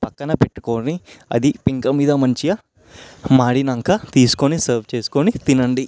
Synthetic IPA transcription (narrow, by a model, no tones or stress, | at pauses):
pɐkːɐnɐpeʈːu̥koːɐniɐ̰d̪ipiŋkɐmiːd̪ɐmɐɲt͡ʃijɐ | maːɽinɐŋkat̪iːsu̥konisɐːɾʋt͡ʃe̞ːsu̥konit̪inɐɳɖi